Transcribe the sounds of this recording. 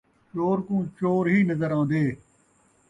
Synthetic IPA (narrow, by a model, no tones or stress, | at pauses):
t͡ʃoːɾkũːt͡ʃoːɾɦiːnəzəɾãːnd̪eː